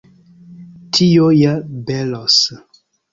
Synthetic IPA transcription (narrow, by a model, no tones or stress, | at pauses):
tʰijojabɛlɔs